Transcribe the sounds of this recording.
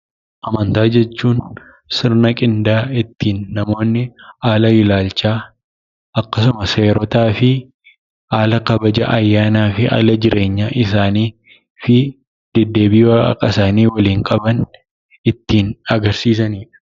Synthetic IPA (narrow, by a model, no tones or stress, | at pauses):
ʔɐmɐnt̪aːd͡ʒɛt͡ʃːuːn | sɪɾnɐkʼɪnd̪aːɪt̪ːiːnːɐmo̞ːnːɪaːlɐɪlaːlt͡ʃaː | ɐkːɐsʊmɐse̞ːɾɔt̪aːfɪ | aːlɐkɐbɐd͡ʒɐ̰ʔɐjːaːnaːfɪʔa̰ːlɐd͡ʒɪɾe̞ːɲːaːʔɪsaːniː | fɪ | d̪̥ɛd̪ːe̞ːbɪjɐ̰kʼɐsaːniːwɐliːŋkʼɐbɐn | ɪt̪ːiːnɐɡɐɾsiːs̬ɐniːᶑɐ̥